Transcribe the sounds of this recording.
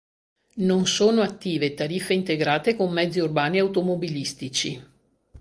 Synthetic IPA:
nonsoːnoat̪ːiːvet̪aɾifːeint̪eɡɾaːt̪ekomːɛd̪zːiurbaːniawt̪omobilist̪it͡ʃi

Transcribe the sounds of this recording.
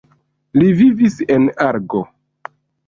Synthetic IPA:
livivisenaɾɡo

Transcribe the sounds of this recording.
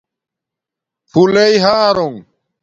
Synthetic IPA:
pʰuleiɦaːɾoŋ

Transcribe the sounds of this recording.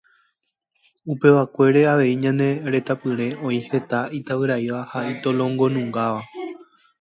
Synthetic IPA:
upe̞ʋakʷe̞ɾe̞aʋe̞iɲãnẽ̞ɾe̞t̪apɨ̃ɾ̃ẽ̞ʔõ̞ĩhe̞t̪ait̪aʋɨɾaiʋahait̪olõ̞ŋɡo̞nũŋɡaʋa

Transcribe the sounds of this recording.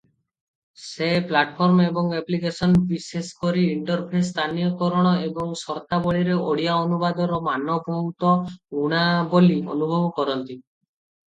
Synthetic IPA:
seplaʈpʰɔɾmebɔŋeplikesɔnbiseskɔɾiːɳʈɔɾpʰest̪ʰanijɔkɔɾɔɽ̃ɔebɔŋsɔɾt̪abɔɭiɾeoɽijaɔnubad̪ɔɾɔmanɔbɔmt̪ɔɡuɽ̃aboliɔ̰nubʱɔbɔkɔɾɔnt̪i

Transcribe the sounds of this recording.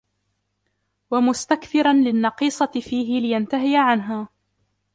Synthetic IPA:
wamʊst̪akθɪɾˤɑnlɪnːɑqiːsˤɑɪfiːɦɪlɪjant̪aɦɪjaʕanɦaː

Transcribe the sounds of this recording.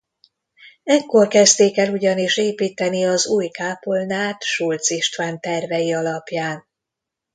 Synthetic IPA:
ɛkːo̞rkɛzt̪eːkɛluɟɒniʃeːpiːt̪ɛniɒzuːjkaːpolnaːt̪ʃult̪siʃt̪ʋaːnt̪ɛrvɛjiɒlɒpjaːn

